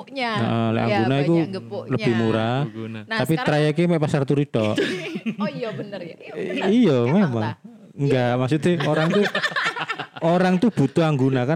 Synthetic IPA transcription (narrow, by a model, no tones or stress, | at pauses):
ə̰ʔɔlɛ̰ʔa̰ŋɡunaikuləb̥i̤hmuɾat̪apit̪ɾajakemɛʔpasart̪uɾiɖ̥ɔʔ | ijɔmemaŋ | ŋɡaʔmasut̪eoɾaŋt̪u | ʔoɾaŋt̪ub̥ṳt̪uaŋɡunaka